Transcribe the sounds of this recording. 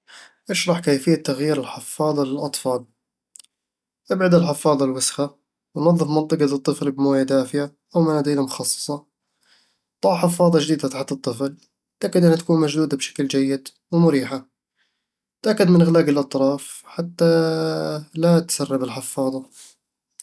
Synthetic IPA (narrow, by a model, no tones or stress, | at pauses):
ʔɪʃɾˤɑħkeːfɪjːat̪ːaɣjiːɾɪlħɪfːɑːðˤɑlɪlʔɑt̪ˤfɑːl | ʔɪbʕad̪ɪlħɪfːɑːðˤɑlwɪsxa | wnɑðˤːɨfmɑnt̪ˤɨqɑlɨt̪ˤːɨflbmoːjad̪aːfɪja | ʔawmanad̪iːnamʊxɑsˤːɨ̥sˤɑ | t̪ˤɑːʕħɪfːɑːðˤɑʒd̪iːd̪at̪aħt̪ɨt̪ˤːɨfl | t̪ʔakːad̪ʔɪnhat̪akuːnmad͡ʒd̪uːd̪abʃḁkld͡ʒajːɪd̪ | wɪmʊɾiːħa | t̪ʔakːad̪mɪnʔɪɣlaːɡɪlʔɑt̪ˤɾˤɑːfħat̪ːa | lat̪sarːɪbɪlħɪfːɑːðˤɑ